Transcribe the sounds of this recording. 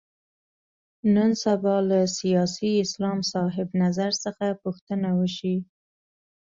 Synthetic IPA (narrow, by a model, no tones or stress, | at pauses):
nənsabɑlasijɑsiɪslɑmsɑɦɪbnazaɾsəxapuxt̪ənawəʃi